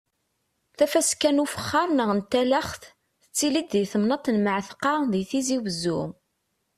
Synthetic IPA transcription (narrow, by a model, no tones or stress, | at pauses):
θæfæskːænufə̥χːɑɾˤnəʁənt̪ælæχθ | θət͡sːilid̪ðiθəmnɑt̪ˤːənməʕθqɑðiθiziwəzːu